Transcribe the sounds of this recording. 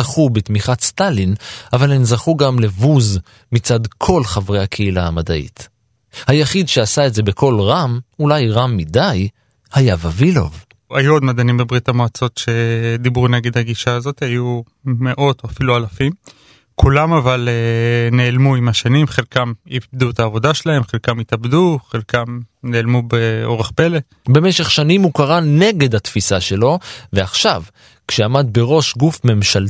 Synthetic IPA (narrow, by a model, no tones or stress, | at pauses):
aχubetmiχatst̪alinavalemzaχuɡamlevuz | mit͡sadkʰo̞lχavʁejhakʰeilaamadaʔḭt | hajaχidʃe̞asaetze̞bekʰo̞lʁamulajʁamːidaj | hajavavilo̞̰v | ajuod̪mad̪animbebʁit̪amoat͡so̞tʃe̞d̪ibʁuneɡe̞d̪haɡiʃaːzo̞t̪haju | me̞ʔo̞t̪oafilualafim | kulamavalene̞ːlmuimaʃanimχelkamibd̪uet̪aːvo̞daʃelahe̞mχelkamit̪abd̪uχelkamne̞ːlmubeo̞ʁeχpe̞le̞ | be̞meʃe̞χʃanimhukaʁane̞ɡe̞d̪hat̪fisaʃe̞lo̞veaχʃav | kʃeamad̪be̞ʁo̞ʃɡufme̞mʃal